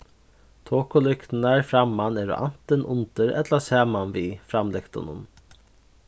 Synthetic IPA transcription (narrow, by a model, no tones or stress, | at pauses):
t̪ʰoːkʊlʏkt̪nəɹfɾamːanɛːɾʊ̰ʔa̰n̥t̪ənʔʊnt̪əɾɛ̰t̪lasæːmanʋiːfɾamlɪkt̪ʊ̰nʊ̰n